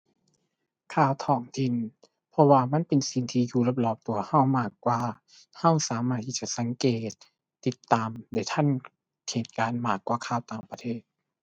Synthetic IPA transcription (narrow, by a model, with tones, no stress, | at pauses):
kʰaː˧˩wt̪ʰɔː˧˩ŋt̪ʰi˧˩˨n | pʰɔ˧waː˧ma˧˥˨npe˨nsi˨˧˩ŋt̪ʰiː˧juː˧˩la˧˩p̚lɔː˧˩p̚t̪u˨˧ɐha˧˥˩wmaː˧˩kːwaː˧ | ha˧˩˨wsaː˨˦maː˧˩t̪ʰːiː˧˩t͡ɕa˧˨sa˨˦ŋkeː˨˩t̪̚ː | i˧˦t̪ːaː˨mdaː˧˩˨t̪ʰa˧˥˨n | kʰeː˨˩t̪̚kaː˨˧nmaː˧˩kːwaː˧˩kʰaː˧˩wt̪aː˨˧ŋpa˧t̪ʰeː˥˩t̪̚